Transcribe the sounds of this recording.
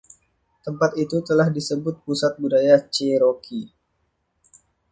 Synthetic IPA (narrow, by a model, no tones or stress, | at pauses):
t̪əmpat̪it̪ut̪əlahdisəbʊt̪̚pusat̪̚budajat͡ʃeɾokʰi